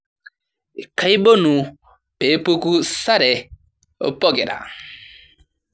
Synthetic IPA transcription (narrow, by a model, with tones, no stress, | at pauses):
ka˨˦i˦bo˦nu˨ | be˨˦po˦ku˦sa˦ɾe˨ | o̰˦pɔ˦ɡɪ˨ɾa̰˨